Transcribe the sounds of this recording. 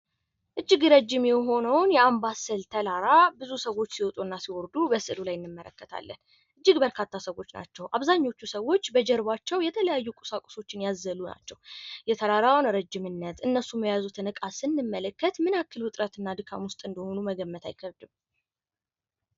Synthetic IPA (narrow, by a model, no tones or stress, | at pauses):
ʔɨd͡ʒːɨɡɨɾəd͡ʒːɪmjɛɦo̞nəwnjɛambasəlt̪ʰəlaɾabɨzusəwo̞t͡ʃːsiwɔt̪ʼuɨnːasiwɔɾd̪ubəsɨɨlulajɨnːɨmːələkːət̪ʰa̰lːə̰n | ʔɨd͡ʒːɨɡbəɾkʰat̪ʰːasəwo̞t͡ʃːna̰t͡ʃːɛwʔaβzaɲːo̞t͡ʃːusəwo̞t͡ʃːbəd͡ʒɛɾβat͡ʃːɛwjɛt̪ʰələjajːukʼusakʼu̥so̞t͡ʃːɪnjazːəluna̰t͡ʃːɛwjɛt̪ʰəlaɾawnɾəd͡ʒːɪmɨnːət̪ɨnːəsːumjɛjazut̪ʰɨnɨkʼasɨnːɨmːələkːət̪mɨnakʰːɨlwʊt̪ʼɾət̪ɨnːad̪ɨkʰamwʊst̪ʼɨnd̪əho̞numəɡəmːət̪ʰa̰jkʰəβd̪ɨm